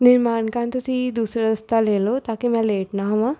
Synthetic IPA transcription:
niɾmaːɳkaːnt̪ut̪id̪uːsɾɐɐst̪aːleːlot̪aːkimaːleːʈnaːɦɐma

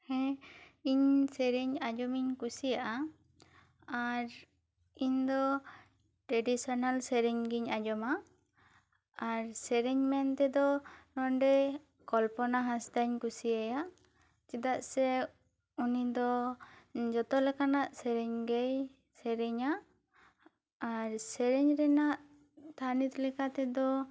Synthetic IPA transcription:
hɛ̃iɲsɛɾiɲad͡ʒɔmiɲkusijaʔa | aɾ | iɲd̪ɔ | ʈɾɛɖisɔnalsɛɾɛɲɡiɲad͡ʒɔma | ɾsɛɾɛɲmɛnt̪ɛd̪ɔnɔɳɖɛ | kɔlpɔnaɦasd̪aɲkusiajaʔ | t͡ʃid̪aʔsɛ | unid̪ɔ | d͡ʒɔt̪ɔlɛkanaʔsɛɾɛɲɡɛj | sɛɾɛɲa | ɾsɛɾɛɲɾɛnaʔ | t̪ʰanit̪lɛkat̪ɛd̪ɔ

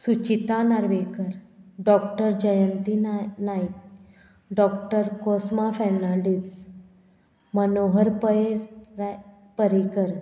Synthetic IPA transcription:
sut͡ɕit̪anaɾʋekəɾɖɔk̚ʈəɾd͡ʑəjənt̪inajk | ɖɔk̚ʈəɾkosmafɛmnaɖis | mənoɦəɾpəeɾ | pəɾikəɾ

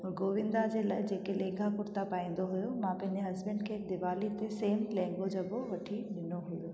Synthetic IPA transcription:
ɔːɾɡoːʋɪ̃nd̪ad͡ʑeːlaːɪd͡ʑeːkelẽːɡʱakʊɾt̪apaːĩːn̆d̪oɦujomãpɐ̃ɦɪ̃ɲd͡ʑeɦɐzbə̃ɳɖkʰeːd̪ɪʋaːlit̪eseːmlɛ̃ːŋɡod͡ʑɐboʋɐʈʰiɗɪnoɦujoː

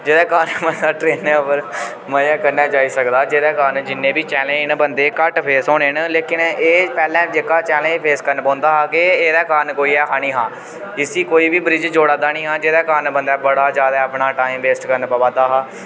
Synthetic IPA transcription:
d͡ʒeːd̪aːkaːnmənd̪aːʈɾeːnɛ̃ːəpəɾ | məaːkənːaːt͡ʃaːiːsəkd̪aːd͡ʒeːd̪aːkaːnd͡ʒɪnːẽːbiːt͡ʃɛːlẽːnbənd̪eːkəʈpʰeːsɦoːneːnleːkɪneːpɛːlɛ̃ːd͡ʒeːkaːt͡ʃɛːlẽːd͡ʒpʰeːskəɾnpɔ̃ːnd̪aːɦaːkeeːɾaːkaːnkoːiːɛːɦaːnĩːɦãː | ɪsiːkoːiːbiːbɾɪd͡ʒd͡ʒoːɽãːd̪aːnĩːɦãːd͡ʒeːd̪aːkaːnbənd̪aːbəɽaːd͡ʒjaːd̪aːəpɳaːʈaːĩmʋeːsʈkəɾnpabaːt̪aːɦaː

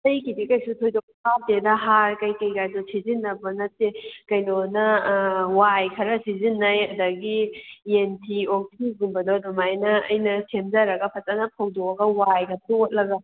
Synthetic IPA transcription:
tɐjkidikɐjsutʰojdok̚sap̚dedɐɦaɾkɐjkɐjɡajdosizinːɐbɐnɐtːekɐjnonɐwajkʰɐɾɐsizinːɐjɐdɐɡientʰiok̚tʰiɡumbɐdodumajnɐːjnɐsʰemzaɾɐɡɐpʰɐtɐnɐpʰɐwdoɐɡɐwajɡɐtuot̚lɐɡɐ

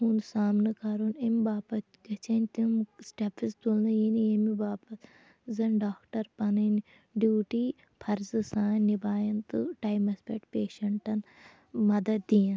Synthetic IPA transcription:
ɦunsaːmnɨkaːɾoːnembaːpɐt̪ɡɐt͡ʃɐnʲt̪imsʈepʰist̪ulnɨjinijemibaːpɐt̪ | zɐnɖaːkʈɐɾpɐnɐn | ɖjuːʈi | pʰɐɾzɨsãːnibaːjɐnt̪ɨʈaːjmɐspeʈpeːʃɐɳʈɐn | mɐd̪ɐd̪̚d̪ijɐn

